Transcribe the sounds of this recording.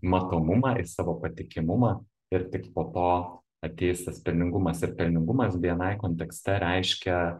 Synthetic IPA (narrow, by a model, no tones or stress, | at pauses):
mɐt̪oːmʊmɑːʔɪsɑːʋoːpɐt̪ʲɪkʲɪmʊmɑː | ɪɾt̪ʲɪkpoːt̪oː | ɐt̪ʲeːjʊst̪ɐspʲɛlʲnʲɪŋɡʊmɐsɪɾpʲɛlʲnʲɪŋɡʊmɐsʋʲiɛnɐɪkoːnʲt̪ʲɛksʲt̪ʲɛɾʲɛɪʃʲkʲɛ